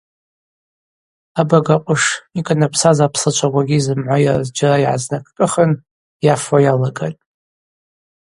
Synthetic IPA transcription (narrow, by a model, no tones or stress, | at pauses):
abaɡaqʷʼʊʂikʼanapʰsazapʰsɨt͡ʃʷʰaɡʷaɡʲizɨmʕʷajarzd͡ʒaraiʕa̰znakʰʼkʼɨχən | jafwajalaɡa̰tʼ